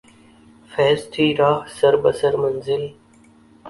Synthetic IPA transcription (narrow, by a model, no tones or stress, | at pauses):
fɛːst̪ʰiːɾaːɦsəɾbəsəɾmənzɪl